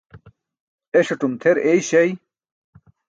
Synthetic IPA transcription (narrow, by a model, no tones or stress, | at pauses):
eɕɐʈumt̪ʰeɾejɕɐj